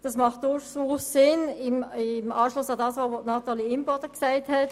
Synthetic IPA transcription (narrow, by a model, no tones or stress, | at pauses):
d̥ɑsmɑχt̚d̥ʊʃsuːssɪnɪmmɑːʃlʊsɑdɑːsovonɑtaliɪmpɔdəksaɪthɛt